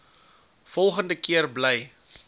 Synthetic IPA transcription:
fɔlˠχəndəkiərblɛj

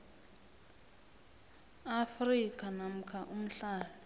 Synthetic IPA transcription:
afrikʼanam̩kʰaʔum̩ɬaːlɔ

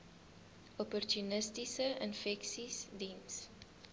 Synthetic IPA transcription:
ɔpɔrtunəstisəənfɛksisdins

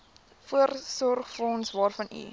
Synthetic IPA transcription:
fuərsɔrχfrɔnsvɑːrfɐnḭ

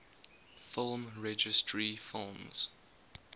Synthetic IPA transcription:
fɪlˠmɹɛd͡ʒɪstʰɹifɪlˠmz̥

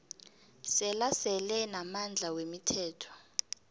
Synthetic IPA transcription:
sɛlasɛlɛnamand͡ɮʱawemitʰɛːtʰɔ̥

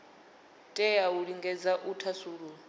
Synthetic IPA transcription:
tʼɛjauɺiŋɡɛd͡zaʔutʰasuːɺu

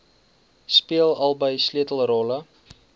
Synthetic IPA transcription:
spiəlˠɐlˠbəjsliətəl̩ˠrɔlə

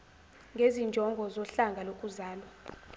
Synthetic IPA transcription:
ŋɡʱezind͡ʒʱɔŋɡʱɔzɔɬaŋɡʱalokʼuzaːlwa

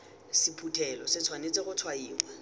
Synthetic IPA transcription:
sipʰutʰɛlɔsɪt͡sʰwanet͡seɣʊt͡sʰwaiːlwa

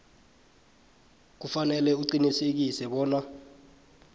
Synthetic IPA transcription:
k̬ufanɛlɛuǀinisek̬isɛɓɔːna

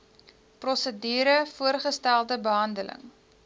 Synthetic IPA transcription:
prɔsədiːɾəfuərχəstælˠdəbəɦɐndələ̰ŋ

